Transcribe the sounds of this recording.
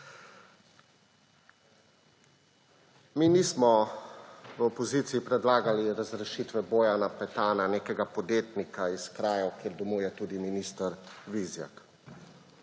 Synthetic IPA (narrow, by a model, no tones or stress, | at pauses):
miːnismɔ | ʋəopɔzit̪siːpɾɛd̪laːɡaliɾazɾɛʃit̪ʋɛboːjanapɛt̪aːnaneːkɛɡapɔd̪jeːt̪nikaiskɾaːjɔkjeːɾd̪ɔmuːjɛt̪uːd̪iminiːst̪aɾʋizja̰k